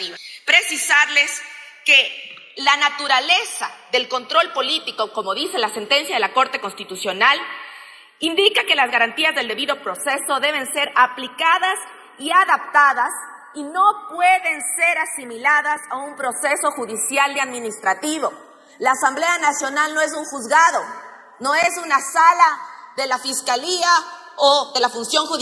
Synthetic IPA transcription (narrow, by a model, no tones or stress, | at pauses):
pɾesisaɾle̞s | ke | lanat̪uɾale̞saðe̞lko̞nt̪ɾo̞lpo̞lit̪iko̞ko̞mo̞ðise̞lase̞nt̪e̞nsjað̞e̞lako̞ɾt̪e̞ko̞nst̪it̪usjo̞nal | ind̪ikake̞lazɣaɾant̪iazðe̞ld̪e̞βiðo̞pɾo̞se̞so̞ðe̞β̞e̞nse̞ɾaplikaðas | iaðap̚t̪aðas | ino̞pweðe̞nse̞ɾasimilaðasaumpɾo̞se̞so̞xuðisjald̪eaðmĩnist̪ɾat̪iβo̞ | laːsamble̞anasjo̞nalno̞e̞s̬uŋxuzɣaðo̞ | no̞esunasalaðe̞lafiskalia | oðelafunsjo̞ŋxu